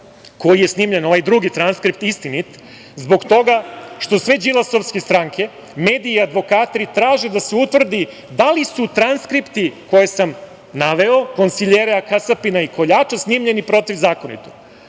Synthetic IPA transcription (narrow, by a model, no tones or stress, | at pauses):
ko̞jijesniːmʎe̞noʋajd̪ɾuɡit̪ɾanskɾip̚t̪ist̪init̪ | zbo̞ɡt̪o̞ɡaʃt̪o̞sʋe̞d͡ʒilˠaso̞fskest̪ɾaŋkʰe̞ | me̞ːd̪iiad̪ʋo̞kaːt̪ɾit̪ɾaːʒed̪aseut̪ʋvr̩d̪i | d̪alisut̪ɾanskɾipt̪iko̞je̞sam | naʋe̞o̞ko̞nsiʎeɾeakasapinaikʰo̞ʎaːt͡ʃasniːmʎe̞nipɾo̞t̪iʋzaːko̞nḭt̪o